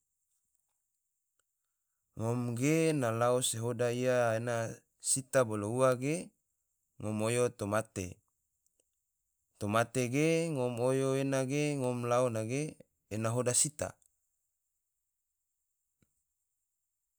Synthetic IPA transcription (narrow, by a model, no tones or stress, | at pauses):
ŋomɡenalaoseɦodaiaena | sit̪abolouaɡe | ŋomojot̪omat̪ḛ | t̪omat̪eɡeŋɔmojoenaɡeŋomlaonaɡeː | naɦodasit̪a̰